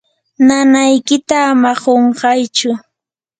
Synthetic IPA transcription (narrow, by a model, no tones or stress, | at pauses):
nanajkɪt̪aːmaɢoɴɢɑjt͡ʃʊ